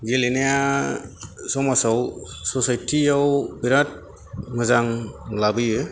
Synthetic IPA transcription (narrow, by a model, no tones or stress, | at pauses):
ɡeleneja | sɔmasawsɔsajtʰiawbiɾat̚ | mɯzaŋlabɯjɯ